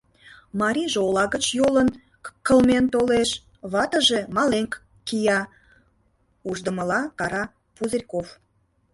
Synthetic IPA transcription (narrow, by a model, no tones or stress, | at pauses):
mɑɾʲiʒeolɑɣət͡ɕjolən | kəlment̪oleʃ | βɑt̪əʒemɑleŋkː | ijɑ | uʒd̪əməlɑkɑɾɑ | puzerʲkof